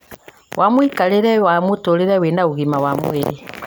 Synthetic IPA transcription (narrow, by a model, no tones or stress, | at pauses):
wʔamoikaɾeɾɛwamotoɾeɾɛwenaoɣimawamo̰eɾḛ